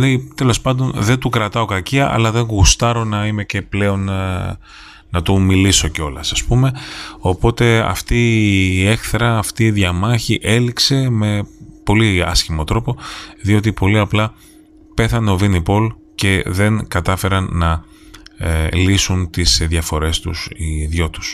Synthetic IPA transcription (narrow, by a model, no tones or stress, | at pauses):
lejt̪e̞lo̞spɐnd̪o̞nðe̞nt̪ukɾɐt̪ɐo̞kɐciɐʔɐ̰lɐðe̞ŋɣust̪ɐɾo̞nɐime̞ce̞ple̞o̞n | nɐt̪omiliso̞ceo̞lɐsɐspume̞o̞po̞t̪e̞ɐ̰ft̪ie̞xθɾɐːft̪iːðʝɐmɐçiʔe̞likse̞me̞po̞liɐ̰sçimo̞t̪ɾo̞po̞ðio̞t̪̬ipo̞liɐplɐ | pe̞θɐneo̞vinipo̞l | ce̞ðe̞ŋkɐt̪ɐfe̞ɾɐnːɐ | lisunt̪isðʝɐfo̞ɾe̞st̪usiðʝo̞t̪u̥s